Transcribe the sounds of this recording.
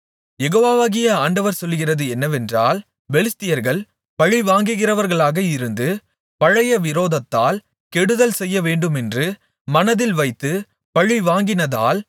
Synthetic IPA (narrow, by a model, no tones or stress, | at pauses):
jɛɣoːʋaːʋaːɣɪjɐaːɳɖɐʋɐɾsɔlːɣɪrɐðɯɛnːɐʋɛndraːl | ʋɛɭɪst̪ːɪjɐɾɣɐɭ | pɐɻiʋaːŋɡɯɣɪrɐʋɐɾɣɐɭaːɣɐɪɾɯnd̪ɯ | pɐɻɐjɐʋɪɾoːðɐt̪ːaːl | kɛɽɯðɐlsɛjːɐʋeːɳɖɯmɛndrɯ | mɐnɐðɪlʋɐɪt̪ːɯ | pɐɻiʋaːŋɡɪnɐða̰ːl